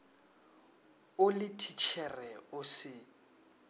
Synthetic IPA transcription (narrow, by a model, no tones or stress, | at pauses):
ʊlɪtʰit͡ʃʰɛrɛʊsɪ